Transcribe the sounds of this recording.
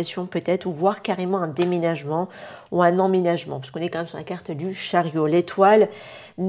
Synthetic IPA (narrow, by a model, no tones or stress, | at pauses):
asjɔ̃pøt̪ɛt̪χuvwaʁkaʁemɑ̃ɛ̃d̪emenaʒmɑ̃uɛ̃nɑ̃menaʒmɑ̃pḁskɔ̃nɛkɑ̃mɛmsyʁlakaʁt̪d̪yʃaʁjolet̪wal | n